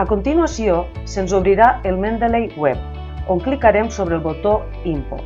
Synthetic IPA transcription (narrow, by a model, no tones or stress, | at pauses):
akont̪inuasio | senzoβ̞ɾiɾaelˠmẽnd̪elejwɛp̚ | oŋklikaɾemsoβɾelˠβot̪o | impo̰